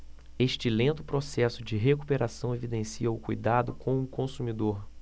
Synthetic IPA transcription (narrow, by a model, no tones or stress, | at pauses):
eʃt͡ʃɪlẽnt̪ʊpɾosɛsʊd͡ʒɪɦekupeɾasɐ̃w̃evid̪ẽsiɐʊkujd̪ad̪ʊkʰõw̃ũkõsumid̪oɾ